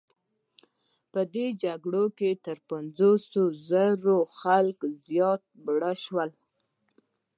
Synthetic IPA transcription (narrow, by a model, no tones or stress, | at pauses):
pəd̪ed͡ʒaɡɽoket̪əɾpanzosozəɾoxalkzjɑt̪̚bɽəʃwəl